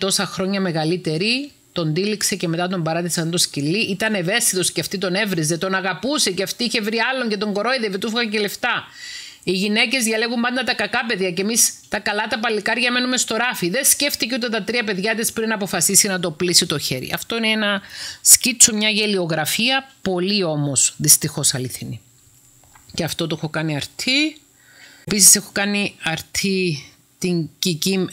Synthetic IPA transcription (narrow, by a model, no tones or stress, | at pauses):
t̪o̞sɐxɾo̞ɲɐme̞ɣɐlit̪e̞ɾi | t̪o̞nd̪iliksece̞me̞t̪ɐt̪o̞mbɐɾɐt̪isɐnt̪oscilːiʔit̪ɐne̞ve̞st̪it̪o̞sceɐft̪it̪o̞ne̞vɾize̞t̪o̞nɐɣɐpuse̞ceɐft̪iːiçe̞vɾiɐlːo̞ɲce̞t̪o̞ŋɡo̞ɾo̞iðevit̪ufiɣɐce̞le̞ft̪ɐ | iʝine̞ce̞zʝɐle̞ɣumbɐnd̪ɐt̪ɐkɐkɐpe̞ðʝɐcemist̪ɐkɐlɐt̪ɐpɐlːikɐɾʝɐme̞nume̞st̪o̞ɾɐfiðe̞nsce̞ft̪iceot̪et̪ɐt̪ɾiɐp̬e̞ðʝɐt̪̬ispɾinɐpo̞fɐsisinɐt̪̬o̞plisit̪o̞çe̞ɾḭʔɐ̰ft̪o̞ineenɐscit͡so̞mɲɐʝe̞lio̞ɣɾɐfiɐpo̞lio̞mo̞sðist̪ixo̞sɐliθini | ceɐft̪o̞t̪oexo̞kɐniɐɾt̪ʰi | pisise̞xo̞kɐniɐɾt̪ʰi | t̪iɲcicim